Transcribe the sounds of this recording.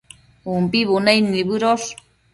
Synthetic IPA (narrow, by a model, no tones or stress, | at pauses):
umpiβunajniβɨɾos